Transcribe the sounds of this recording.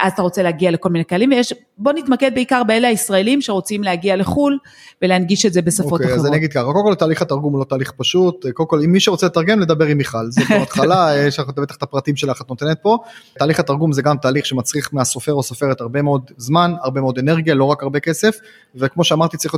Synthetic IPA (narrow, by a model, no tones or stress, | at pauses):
ʔazat̪aʁo̞t͡seleaɡialeko̞lminekealimvejeʃ | bo̞nit̪maked̪beikaʁbeelehaisʁaelimʃeʁo̞t͡simleaɡiale̞χul | veleanɡiʃetzebe̞saofo̞keaazaniaɡid̪̚kaχako̞lkolt̪aːliχat̪aʁɡumlo̞t̪aːliχpaʃut̪kolko̞limːiʃeʁot͡selet̪aʁɡe̞mled̪abe̞ʁimiχalzebeat̪χalajeʃaχt̪bet̪ḁχt̪apʁat̪imʃe̞laχat̪not̪enet̪̚po̞t̪aːliχat̪aʁɡumzeɡamt̪aːliχʃemat͡sʁiχmeaso̞fe̞ʁosofeʁet̪aʁbe̞meo̞d̪zmanaʁbemeo̞d̪eneʁɡijalo̞ʁakaʁbekesef | vekmoʃeamaʁt̪itt͡saʁiχ